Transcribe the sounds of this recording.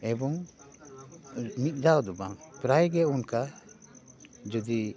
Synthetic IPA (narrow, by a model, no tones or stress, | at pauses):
ɛbɔŋ | mit̪̚ˀd̪awd̪ɔbaŋpɾajɡɛunka | d͡ʒɔd̪i